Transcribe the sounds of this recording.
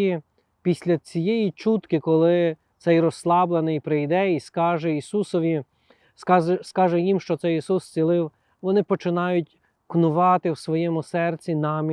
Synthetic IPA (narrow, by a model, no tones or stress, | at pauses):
i | pʲisʲlʲɐt͡sʲijɛjit͡ʃut̪kɪkɔlˠɪ | t̪sɛjrɔslˠɑblˠenɪjpɾɪjd̪ɛiskɑʒɛisusɔʋʲi | skɑɛskɑʒɛjimʃt͡ʃɔt̪sɛjisust͡sʲilˠɪw | ʋɔnɪpɔt͡ʃɪnɑjʊtʲ | knʊʋɑt̪ɪwsʋɔjɛmʊsɛrt͡sʲinɑmʲ